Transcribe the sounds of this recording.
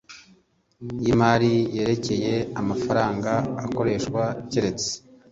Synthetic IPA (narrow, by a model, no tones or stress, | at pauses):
jimaɾije̞ːɾe̞ce̞je̞amafaɾaːŋɡa̰ːko̞ɾe̞ːʃkwaceɾe̞t͡se̥